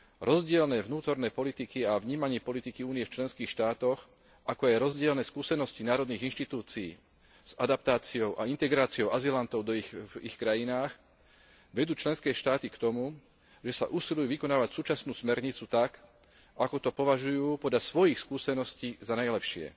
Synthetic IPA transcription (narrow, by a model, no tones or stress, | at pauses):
ɾɔzɟɪɛlnɛːʋnuːt̪ɔɾnɛːpɔlit̪ikiaʋɲiːmaɲɪɛpɔlit̪ikiuːnijɛft͡ʃlɛnskiːxʃt̪aːt̪ɔx | akɔajɾɔzɟɪɛlnɛːskuːsɛnɔscinaːɾɔd̪niːɣinʃt̪it̪uːt͡siiː | z̥ad̪ap̚t̪aːt͡siɔʊʔa̰int̪ɛɡɾaːt͡siɔʊʔazilant̪ɔʊd̪ɔixixkɾajinaːx | ʋɛd̪uːt͡ʃlɛnskɛːʃt̪aːt̪ikt̪ɔmu | ʒɛsa̰ʔusilujuːʋikɔnaːʋacsuːt͡ʃasnuːsmɛɾɲit͡sut̪ak | akɔt̪ɔpɔʋaʒujuːpɔd̪lasʋɔjixskuːsɛnɔsciːzanajlɛpʃɪɛ̰